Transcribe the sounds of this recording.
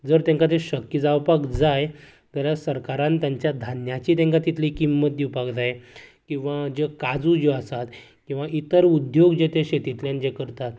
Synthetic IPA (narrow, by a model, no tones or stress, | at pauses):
d͡zəɾt̪ẽŋkat̪eɕəkːjəd͡zawpakd͡zaj | t̪alasəɾkaɾãnt̪jaɲt͡ɕjad̪ʱanjat͡ɕiːt̪ẽŋkat̪it̪ʰlikimːət̪̚d̪iwpakd͡zajkĩw̃ʋad͡ʑekad͡zud͡ʑeasat̪ | kĩw̃ʋaʔit̪əɾud̪joɡd͡ʑet̪eɕet̪it̪ljãnd͡ʑekəɾt̪at̪̚